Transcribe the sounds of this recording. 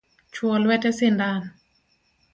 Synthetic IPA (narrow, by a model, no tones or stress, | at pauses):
t͡ʃʰuolwɛtɛsindan